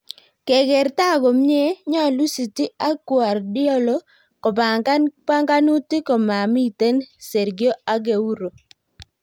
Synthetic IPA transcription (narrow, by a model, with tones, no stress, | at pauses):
ke˨ɡɛ˨ɾta˦˨ɡo˨m˦ɲe˦ɲɔ˦˨lu˦si˨ti˦a˦kwa˨rdɪ˦ɔ˦lo˦ | kɔ˨pa˨pa˦ŋɡa˦nu˦ti˦kɔ˨ma˨mi˦˨te˦nse˨ɾɡjo˦a˦ɡe˨u˦ɾo˨